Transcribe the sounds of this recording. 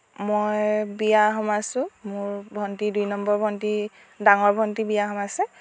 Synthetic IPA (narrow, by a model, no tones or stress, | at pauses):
mojbijaɦɔmasʊ̃mʊɹbʱɔntidujnɔmbɔɹbʱɔnti | daŋɔɹbʱɔntibijaɦɔmasɛ